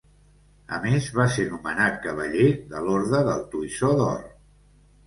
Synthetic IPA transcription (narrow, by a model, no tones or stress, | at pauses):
ə̰mezβasenumənat̪̚kəβəʎeðəloɾðəðəlˠt̪uisɔðɔ̰r